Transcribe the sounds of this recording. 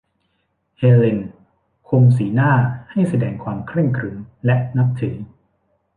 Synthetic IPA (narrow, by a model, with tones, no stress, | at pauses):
heː˧le˧n | kʰo˧ŋsiː˩˦naː˥˩ha˥˩jsa˧dɛː˧ŋkʰwaː˧mkʰɾe˥˩ŋkʰɾɯ˩˦ŋlɛ˦˥ʔna˦˥p̚t̪ʰɯ˩˦ŋ